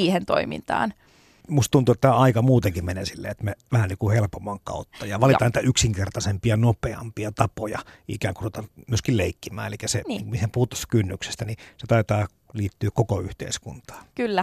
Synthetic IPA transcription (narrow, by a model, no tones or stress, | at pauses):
iːhent̪o̰imḭnt̪ɑ̰ːn | must̪t̪unt̪uet̪ːæɑikɑmuːt̪eŋkimmenesilːḛːet̪meʋæhæniːkuhelpomːˑɑŋkɑ̰ˑut̪ːɑjɑʋɑlit̪ɑnit̪æyksiŋkert̪ɑsempiɑnopeɑ̰mpiɑt̪ɑpojɑ̰ʔḭkæːŋkurut̪ɑmyøskilleˑikːimˑæ̰ːnelikːæseiŋkumihempuhut̪ːɑ̥st̪ːæ̥kynːykse̥st̪æniset̪ɑˑit̪ɑː | liːt̪ːyːkkokoyht̪ḛˑiskṵnt̪ɑ̥ːkylːæ